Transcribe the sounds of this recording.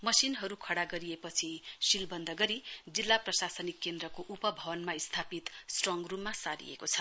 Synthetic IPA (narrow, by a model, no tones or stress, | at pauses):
mʌsinɦʌɾukʰʌɽaɡʌɾiepʌt͡sʰisilbʌnd̪ʱʌɡʌɾid͡zilːaprʌsasʌnikːend̪rʌkoʔupʌbʱʌbʌnmaist̪ʰapit̪sʈrʌŋɡrummːasaɾḭḛkot͡sʰʌ̥